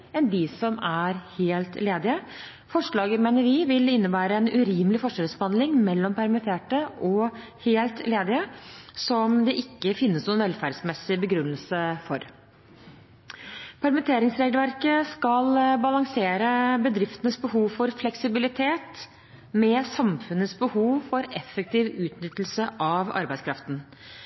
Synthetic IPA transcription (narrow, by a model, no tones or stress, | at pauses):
ɛnd̪ɪsɔmæɾheːlt̪leːd̪ɪə | fɔʂɭɑːɡəmeːnəɾʋɪʋɪlɪnːəbæːɾəɛnʉɾiːməlɪfɔʂəːɾəsbhɑnlɪŋmɛlːɔmpʰæɾmɪt̪ʰeːʈəʔɔ | heːlt̪leːd̪ɪəsɔmd̪ɛʔɪkːəfɪnːəsnɔːɛnʋɛlfæɖsmɛsːɪbəɡɾʉnːəlsəfɔɾ | pʰæɾmɪt̪ʰeːɾɪŋsɾeːɡlʋæɾkəskɑlbɑlɑŋseːɾəbəd̪ɾɪft̪ənəsbəhuːʋfɔɾflɛksɪbɪlɪt̪ʰeːt̪ | mɛsɑmfʉnəsbəhuːʋfɔɾɛfːək̚t̪ʰiːʋʉːt̪nʏt̪ːəl̩səʔɑʋɑ̰ɾbæɪskʰɾɑft̪n̩